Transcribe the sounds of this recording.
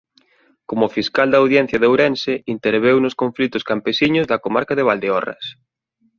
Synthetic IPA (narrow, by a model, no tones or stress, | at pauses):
komʊfiskald̪awðjɛn̟θjɐðewɾɛnseint̪eɾβ̞ewnʊskoɱflit̪ʊskampesiɲʊzðɐkomaɾkaðeβ̞ald̪eɔrɐ̰s